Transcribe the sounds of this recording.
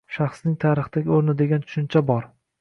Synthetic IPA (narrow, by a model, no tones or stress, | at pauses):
ʃaχsnɪŋt̪ʰaɾɨχd̪aɡʲoɾnɪd̪e̞ɡʲant̪ʰʊ̥ʃɪnt͡ʃʰabɒɾ